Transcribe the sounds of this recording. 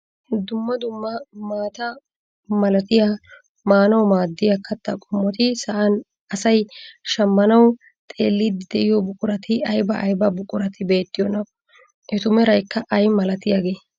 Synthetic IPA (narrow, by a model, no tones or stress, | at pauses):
d̪ʊmːɐd̪ʊmːɐmaːt̪ɐ | mɐlɐt̪ɪjɐ | maːnɐwmaːd̪ːɪjɐkɐt̪ːɐkʼʊmːɔt̪ɪsɐʔɐn | ɐsɐjʃɐmːɐnɐw | t̪ʼe̞ːlːɪd̪ɪd̪ɛʔɪjɔbʊkʼʊɾɐt̪ɪɐjbɐʔɐjbɐbʊkʼʊɾɐt̪ɪbe̞ːt̪ːɪjɔnɐkːɔ | ʔɛt̪ʊmɛɾɐjkːɐʔɐjmɐlɐt̪ɪjaɡe̞ː